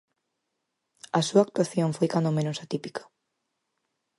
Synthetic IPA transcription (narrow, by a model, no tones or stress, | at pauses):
ɐsuaːk̚t̪waθjoɱfojkand̪omẽnʊsat̪ipikḁ